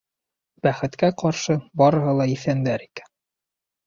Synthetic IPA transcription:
b̥æχɘ̆t̪kæqɑɾʃɤbɒɾɤ̆ɦɤlˠɑiθænd̪æɾikæ̥n

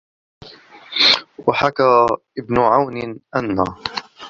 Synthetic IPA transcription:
waħakaːʔɪbnʊʕawnɪʔanːa̰ː

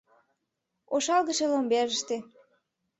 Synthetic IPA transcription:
oʃɑlɣə̆ʃelombeʒəʃt̪ĕ

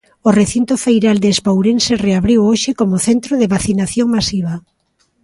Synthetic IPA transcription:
oreθint̪ofejɾald̪eːspawɾensereaβɾiwoʃɪkomʊθent̪ɾoðɪβaθinaθjoŋmasiβ̞a

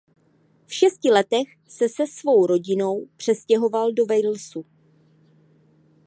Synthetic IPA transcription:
fʃɛscɪlɛt̪ɛx | sɛsɛsvo̞wɾo̞ɟɪno̞wpr̝̥ɛscɛɦo̞valdo̞vɛjl̩su

